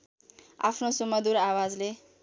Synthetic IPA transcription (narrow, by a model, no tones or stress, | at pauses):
a̰pʰnosumʌd̪uɾawad͡zle